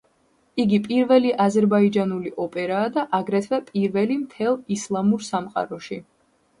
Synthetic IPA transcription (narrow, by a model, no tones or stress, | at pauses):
iɡipʼiɾvɛliʔazɛɾbaid͡ʒanuliʔɔpʼɛɾaːd̪aʔaɡɾɛt̪ʰvɛpʼiɾvɛlimt̪ʰɛlˠislˠamuɾsamqʼa̰ɾɔʃi